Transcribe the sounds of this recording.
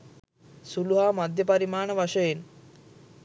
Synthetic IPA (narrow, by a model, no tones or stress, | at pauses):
suluɦaːmad̪ʱjəpɐɾimaːɳəʋaʃəjen